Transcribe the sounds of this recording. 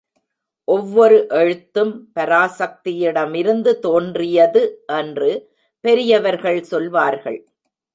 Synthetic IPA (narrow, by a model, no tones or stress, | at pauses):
ʔɔʋːɔɾɯʔɛɻɯt̪ːɯmpɐɾaːsɐk̚t̪ɪjɪɽɐmɪɾɯnd̪ɯt̪oːndrɪjɐðɯʔɛndrɯ | pɛɾɪjɐʋɐɾɣɐɭsɔlʋaːɾɣɐ̰ɭ